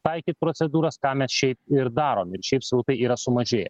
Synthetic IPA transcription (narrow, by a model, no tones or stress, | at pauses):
t̪ɐɪkʲiːt̪̚pɾoːt̪sʲɛd̪uːɾɐskɑːmʲɛsʃʲɛɪp̚ɪɾd̪ɑːɾoːmɪɾʃʲɛɪpsɾɐʊt̪ɐɪiːɾɐsʊmɐʒʲeːjɛ̰